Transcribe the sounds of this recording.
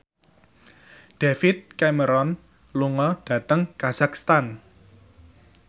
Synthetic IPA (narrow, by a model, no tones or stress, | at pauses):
ɖ̥efit̪̚kɛməɾɔn | luŋɔɖ̥a̤t̪əŋkaz̥akst̪an